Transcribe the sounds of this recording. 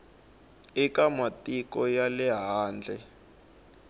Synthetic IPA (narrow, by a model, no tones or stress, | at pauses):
ikamatʼikɔjalɛɦaːnd͡ɮʱɛ